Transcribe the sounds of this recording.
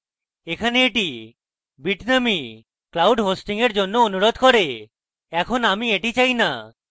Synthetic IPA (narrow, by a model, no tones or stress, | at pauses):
ekʰaneeʈi | biʈnami | klawɖɦosʈiŋeɾd͡ʑonːoonuɾod̪ʱkɔɾe | ɛkʰonamieʈit͡ɕajna